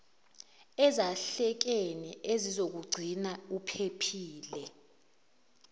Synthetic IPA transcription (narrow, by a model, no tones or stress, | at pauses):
ɛzaɬɛk̬eniʔezizok̬uɡ͡ǀʱinaupʰepʰiːlɛ